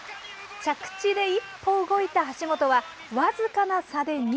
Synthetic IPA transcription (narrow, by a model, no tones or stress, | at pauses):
t͡ɕakɯ̟̥t͡ɕid̪e̞ipʰːo̞ɯɡo̞it̪aɦaɕimo̞t̪o̞βa | βazɨkanasad̪e̞ɲ̟ʲ